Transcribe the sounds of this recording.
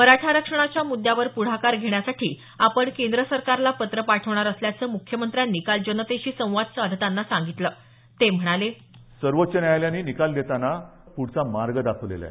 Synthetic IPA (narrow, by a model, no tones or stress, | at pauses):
məɾaʈʰaɾəkʂəɳ̃at͡ɕjamud̪ːjaʋəɾpuɽ̤akaɾɡʱeɳ̃jasaʈʰiː | apəɳkẽnd̪ɾəsəɾkaɾlapət̪ɾəpaʈʰəʋɳaɾəsljat͡səːmukʰːjəmənt̪ɾjanːikald͡ʑənət̪eɕiːsə̃w̃ʋad̪̚sd̪ʱət̪anːasãŋɡit̪ləː | t̪em̤əɽ̃ale | səɾʋot̪ːt͡ɕənjajljanːiːnikald̪et̪anapuɽt͡samaɾɡəd̪akʰəʋlḛla̰